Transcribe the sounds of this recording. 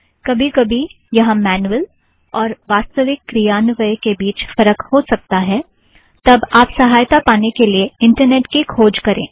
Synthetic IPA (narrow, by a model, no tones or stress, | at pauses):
kɐbʱikɐbʱi | jɐɦãmɛːnuəl | ɔːɾʋaːst̪əʋɪkːɾijaːnʋəjkebiːt͡ʃfɐɾəkhosɐk̚t̪aɦɛː | t̪ɐbaːpsɐɦaːjt̪apaːnekelieɪ̃ɳʈəɾneːʈkikʰoːd͡ʒkɐɾʔḛ̃ː